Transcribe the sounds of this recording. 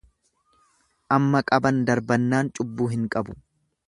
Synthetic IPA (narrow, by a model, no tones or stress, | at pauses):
ʔɐmːɐkʼɐbɐnd̪ɐɾbɐnːaːnt͡ʃʼʊbːuːɦɪŋkʼɐbʊ̥